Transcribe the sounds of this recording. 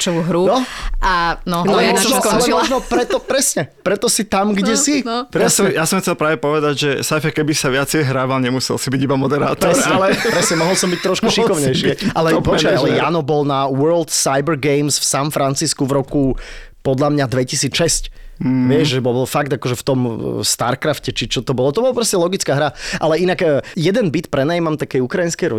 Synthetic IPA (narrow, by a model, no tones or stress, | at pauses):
t͡ʃɔuɦɾunɔanɔalɛmɔʒnkɔalɛmɔʒnɔpɾɛt̪ɔpɾɛsɲɛpɾɛt̪ɔsit̪amɡɟɛsipɾjasjasɔmxt͡sɛlpɾaːʋɛpɔʋɛd̪aɟʒɛsajfakɛbisaʋɪat͡sɛjɦɾaːʋalɲɛmusɛ̰lsibiɟibamɔd̪ɛɾa̰ːt̪ɔɛɾsɛlɛpɾɛsɲɛmɔɦɔlsɔmbic̚t̪ɾɔʃkuʃikɔʋɲɛjʃɪɛʔalɛalɛjaːnɔbɔlnaʋɜɾlt̪sajbɛɾɡɛɪmsfsamfɾant͡siskuvɾɔku | pɔd̪ʎamɲad̪ʋɛcisiːt͡sʃɛscʋɪɛʒʒɛbɔbɔlfaɡd̪akɔʒɛft̪ɔmst̪aɾkɾafcɛt͡ʃit͡ʃɔt̪ɔbɔlɔt̪ɔbɔlapɾɔscɛlɔɡit͡skaːɦɾaʔalɛinakəːjɛd̪ɛnbit̪pɾɛnajimamt̪akɛjukɾajinskɛjɾɔ